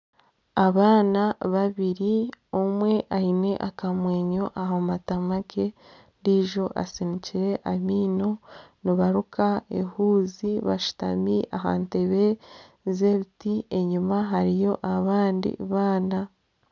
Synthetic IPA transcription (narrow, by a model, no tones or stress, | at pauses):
aβaːnaβaβiɾiomwe̞ʔaine̞ʔakamwe̞ːɲo̞ʔaɦomatamake̞ | ndiʒo̞ʔa̰siniciɾe̞ʔamiːno̞niβaɾukʰaḛhuːziβa̰ʃu̥ta̰miʔaɦa̰nte̞βe̞ | zeβitie̞ɲumaɦaɾijo̞ʔaβaːndḭβaːna